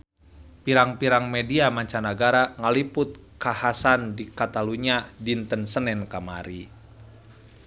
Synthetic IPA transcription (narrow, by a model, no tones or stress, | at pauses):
piɾaŋpiɾaŋmɛdiamaɲt͡ʃanaɡaɾaŋalipʊt̪̚kahasandikat̪aluɲadint̪ənsənɛnkamaɾi